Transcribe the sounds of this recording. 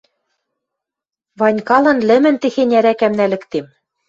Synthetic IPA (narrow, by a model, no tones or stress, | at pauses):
βɑnʲkɑlɤ̆nlɘ̆mɘ̆nt̪ĕxenʲæɾækæmnælɘ̆kt̪em